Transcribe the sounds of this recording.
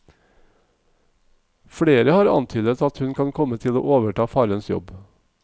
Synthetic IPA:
fɽeːɾəhɑːɾɑ̰nt̪ʰyːd̪ət̪ɑt̪hʉnkʰɑnkʰɔmət̪ʰɪlo̰ːʔoːʋəʈʰɑːfɑːɾənsjɔ̰b

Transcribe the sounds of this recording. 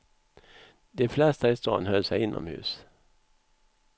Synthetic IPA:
d̪ɛflɛst̪aɪst̪ɑ̰ːnhœlsɛɪɪnʔɔ̰mhʉ̟̰ːs

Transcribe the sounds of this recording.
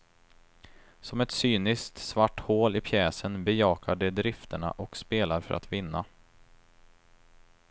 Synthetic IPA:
sɔmɛt̪syːnɪskt̪svaʈːhoːlɪpʰjɛːsənbɛjɑːkʰaɖɛd̪ɾɪft̪ʰəɳa̰ʔɔkspeːlaɾfœ̰ɾʔa̰t̪vɪnːa

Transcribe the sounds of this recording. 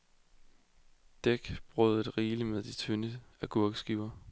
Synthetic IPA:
d̥eɡ̥b̥ʁœð̩ˠedʁiːləmeðˠd̥it͡sʰønəæɡ̥ʰuɐɡ̥sɡ̥iʊɐ

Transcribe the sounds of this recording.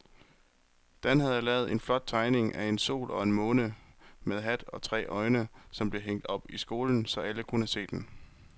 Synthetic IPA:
d̥ænɦæðˠjælɛːʊð̞̩ˠe̝nflɒ̽d̥̚t͡sʰɑ̈ɪne̝ŋʔæe̝nso̝̰ːlɒ̽e̝nmɔ̽ːnəmeðˠɦæd̥ɒ̽t͡sʰʁɛ̰ːʔɒ̽ɪnəsɒ̽mb̥le̝ɦeŋ̰d̥ɒ̽b̥isɡ̥o̝ːln̩sɒ̽æləkʰunəæse̝̰ːd̥en

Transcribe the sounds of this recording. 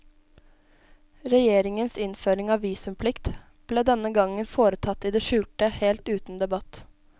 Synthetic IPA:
ɾɛjeːɾɪŋənsɪnføːɾɪŋɑːʋiːsʉmpʰlɪkt̪ | b̥leːd̪ɛnəɡɑŋənfoːɾət̪ʰɑt̪ːiːd̪eːʃʉːlt̪əheːlt̪ʉːt̪n̩d̪ɛbɑt̪

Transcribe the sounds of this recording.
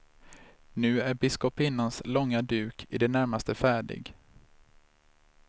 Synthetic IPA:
nʉ̟ːæɾbɪskɔpɪnːanslɔŋːad̪ʉ̟ːkʰɪd̪ɛnæɾmast̪əfæːɖɪ̰ɡ

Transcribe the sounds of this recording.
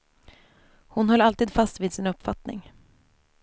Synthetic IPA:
hʊnhœlːalt̪iːd̪fast̪viːd̪sɪnɵpːfat̪nɪ̰ŋ

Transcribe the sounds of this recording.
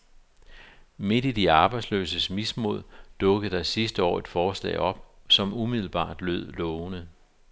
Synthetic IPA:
me̝d̥id̥iɑ̈ːb̥ɑ̈ɪd̥slø̰ːsəsmismo̝ð̰ˠd̥ɔ̽ɡ̥əð̩ˠd̥ɑ̈ɪsisd̥əɒ̰ːe̝d̥fɒːslɛ̰ːɪɒ̽b̥sɒ̽mumiðˠl̩b̥ɑ̰̈ːd̥løð̰ˠlɔːʊnə

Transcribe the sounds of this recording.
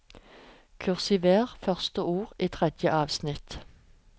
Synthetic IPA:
kʰʉʁsɪʋeːʁfœʁst̪əuːʁiːt̪ʰʁɛd̪jəʔɑːʋsnɪt̪

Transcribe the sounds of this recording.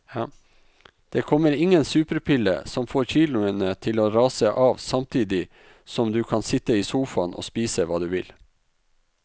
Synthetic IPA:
d̪̥eːkʰɔməɾɪŋənsʉːpəɾpʰɪlːə̰sɔmfoːɾçiːlʊənət̪ʰɪloːɾɑːsəʔɑːʋsɑmt̪ʰiːd̪ɪ | sɔmd̪ʉːkʰɑnsɪt̪əiːsuːfɑnʔo̰ːspiːsəʋɑːd̪ʉːʋɪl

